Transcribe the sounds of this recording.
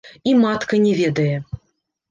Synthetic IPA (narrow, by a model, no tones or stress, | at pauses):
imat̪kɐnʲɛvʲɛd̪ɐjɛ